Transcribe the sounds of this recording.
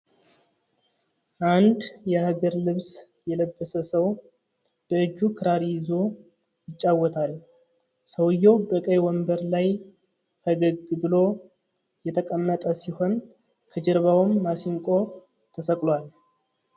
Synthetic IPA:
ʔand̪jɛhaɡəɾlɨβs | jɛləbːəsəsəw | b̥əɨd͡ʒːukʰɨɾaɾjɪzo | jɪt͡ʃʼːawːɔt̪ʰal | səwjːo̞wbəkʼəjwɔmbəɾlaj | fʰəɡəɡɨbɨlo̞ | jɛt̪ʰəkʼəmːət̪ʼəsiho̞n | kʰəd͡ʒɛɾβawmːasiŋkʼo̞ | t̪ʰəsəkʼlwal

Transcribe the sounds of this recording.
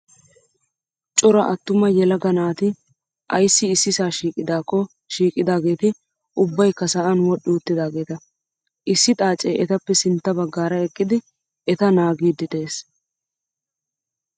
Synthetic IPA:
t͡ʃʼʊɾɐʔɐt̪ːʊmɐjɛlɐɡɐnaːt̪ɪ | ʔɐjsːɪːsːɪsaːʃiːkʼɪd̪aːkːɔ | ʃiːkʼɪd̪aːɡe̞ːt̪ɪ | ʔʊbːɐjkːɐsɐʔɐnwɔɗːɪʊt̪ːɪd̪aːɡe̞ːt̪ɐ | ʔɪsːɪt̪ʼaːt͡ʃʼejʔɛt̪ɐpːɛsɪnt̪ːɐbɐɡːaːɾɐɛkʼːɪd̪ɪ | ɛt̪ɐnaːɡiːd̪ːɪd̪e̞ːs

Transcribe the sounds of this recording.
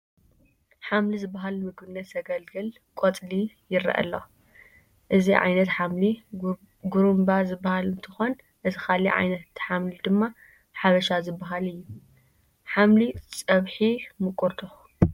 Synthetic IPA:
ħamlizɨbːaɦalmɨɡbɨnːɐt̪ʰɐɡɐlɡɨl | kʼot͡sʼlijɪɾḭʔɐ̰lːo | ʔɨziʕa̰jnɐt̪ħamli | ɡuɾumbazɨbːahalɨnt̪ʰɨxon | ʔɨzʰɨxʰaliʕa̰jnɐt̪ħamlid̪ɨmːa | ħaβɐʃazɨbːaɦalɨjːu | ħamlit͡sʼɐβħimɨkʼuɾt̪ʰo

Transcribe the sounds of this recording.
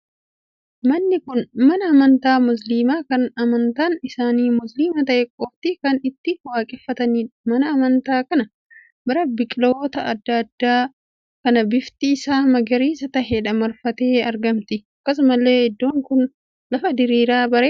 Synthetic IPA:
mɐnːɪkʊnmɐnɐːmɐnt̪aːmʊs̬liːmaːkɐnɐmɐnt̪aːnɪsaːniːmʊsliːmɐt̪ɐʔekʼɔbt̪ɪkɐnɪt̪ːɪwaːkʼɛfːɐt̪ɐniːmɐnɐːmɐnt̪aːkɐnɐ | bɐɾɐbɪkʼɪloːt̪ɐʔɐd̪ːɐd̪ːaː | kɐnɐbɪft̪iːsaːmɐɡɐɾiːsɐt̪ɐheᶑɐmɐɾfɐt̪e̞ːɐɾɡɐmt̪ɪɐkːɐs̬ʊmɐlːe̞ːhɛd̪ːoːŋkʊn | lɐfɐd̪ɪɾiːɾaːbɐɾeː

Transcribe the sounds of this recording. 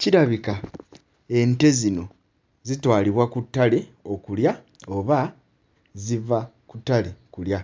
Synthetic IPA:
ciɾaβika | e̞nte̞zino̞ | zitwaːliβwakutːale | o̞kulja | o̞βa | ziva | kutːalekulja

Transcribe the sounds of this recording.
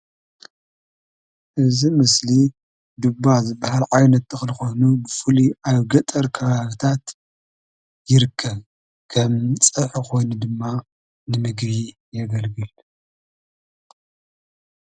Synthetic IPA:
ʔɨzimɨsli | d̪ubːazɨbːahalʕajnɐt̪ːɨxlɨxo̞jnubɨfɨliʔaβɡɐt̪ʼɐɾkʰɐβaβt̪ʰat̪ | jɪɾɨkʰːɐβ | kʰɐmt͡sʼɐħuko̞jnud̪ɨmːa | nɨmɨɡβi | jɛɡɐlɡɨl

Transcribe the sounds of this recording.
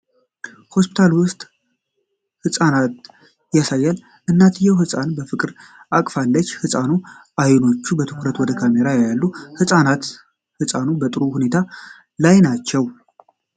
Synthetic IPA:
ho̞spi̥t̪ʰalwʊst̪ʼ | hɨsʼanat̪ | jasajːal | ʔɨnːat̪ʰɨjɛwhɨsʼanbəfɨkʼɨɾʔakʼfalːət͡ʃːhɨsʼanuʔajno̞t͡ʃːubət̪ʰɨ̥kʰɾət̪wɔd̪əkʰame̞ɾajalːuhɨsʼanat̪ | hɨsʼanubət̪ʼɨɾuhune̞t̪ʰa | lajnat͡ʃːɛw

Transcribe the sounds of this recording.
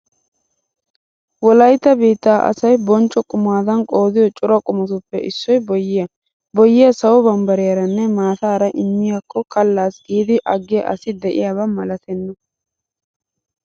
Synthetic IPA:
wɔlɐjt̪ːɐbiːt̪ːaːʔɐ̰sɐjbɔnt͡ʃʼːɔkʼʊmaːd̪ɐnkʼo̞ːd̪ɪjɔt͡ʃʼʊɾɐkʼʊmɔt̪ʊpːɛʔɪsːɔjbɔjːɪjɐ | bɔjːɪjɐsɐwɔbɐmbɐɾɪjɐɾɐnːɛmaːt̪aːɾɐʔɪmːɪjakːɔkɐlːaːsɡiːd̪ɪʔɐɡːɪjɐʔɐ̰sɪd̪ɛʔɪjabɐmɐlɐt̪ɛnːɐ

